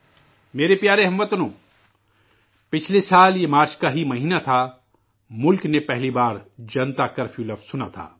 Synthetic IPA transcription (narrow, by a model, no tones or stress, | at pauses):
meːɾepjaːɾeɦɐmʋət̪nõː | pɪt͡ʃʰlesaːljemaːɾt͡ʃkaɦimɐɦiːnat̪ʰa | mʊlknepɛɦlibaːɾd͡ʒɐnt̪akɐɾfʰjuːlɐbsʊna̰t̪ʰa̰ː